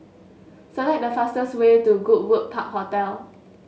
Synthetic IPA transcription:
səlɛk̚dəfastəswetuɡut̚wək̚pʰap̚hotɛl

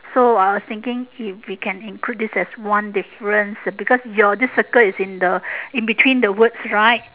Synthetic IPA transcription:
soaɪwɔst̪ɪ̃ŋkɪ̃ŋifwikʰɛ̃nĩnklut̚disɛswãndifəɹə̃nsbikɔsjɔdisːəkəlisɪ̃ndəĩnbitʰwĩndəwətsɹaɪt̚

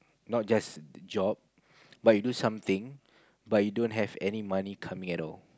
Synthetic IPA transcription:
nɔt̚d͡ʒasd͡ʒɔp̚ | bat̚judusãmt̪ɪ̃ŋ | bat̚judõntɦɛvɛ̰nimanikʰamĩŋɛtɔl

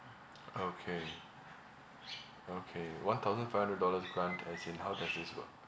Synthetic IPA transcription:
okʰe | okʰewãnt̪ʰaʊzə̃nfaɪhãndɹədɔləsɡɹãntʰɛsĩnhaʊdɛsdɪswə̰k̚

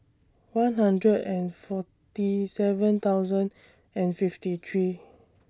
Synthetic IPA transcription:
wãnɦãndɹədɛ̃nfɔ | tisɛvə̃nt̪awzə̃n | ɛ̃nfiftit̪ʰɹi

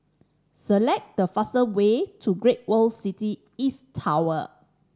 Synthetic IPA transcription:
səlɛk̚dəfasəwetʰuɡɹet̚wəlsiti | istʰːawə̰

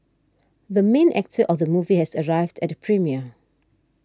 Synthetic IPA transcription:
ðəmẽnʔɛ̰k̚tʰəʔɔfðəmuvihɛsəɹaɪvdɛtpʰɹimiə

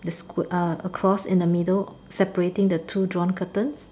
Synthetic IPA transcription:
dəskəəkʰɹɔsɪ̰̃ndəmidəl | sɛpəɹetɪ̃ŋdətʰudɹɔ̃nkʰətə̃ns

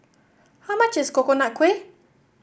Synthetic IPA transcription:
hawmat͡ʃɪskokonakʰwe

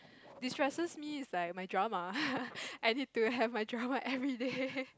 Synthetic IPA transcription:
distɹɛsəsmiislajk̚majdɹama | ʔajnid̚tuɦɛvmajdɹamaʔɛvɹide

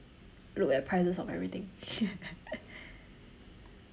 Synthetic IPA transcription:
lukɛt̚pʰɹaɪsəsɔvɛ̰vɹit̪ɪ̃ŋ

